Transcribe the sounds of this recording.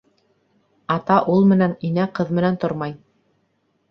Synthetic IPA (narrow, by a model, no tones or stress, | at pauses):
ɑt̪ɑʔulˠmɘ̆næninæqɤðmɘ̆nænt̪oɾmɑj